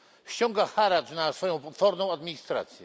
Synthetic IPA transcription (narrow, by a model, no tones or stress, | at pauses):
ɕt͡ɕɔ̃ŋɡaxaɾatnasfɔjɔ̃w̃fɔɾnɔ̃w̃ad̪mʲiɲist̪ɾa̰t̪sʲjɛ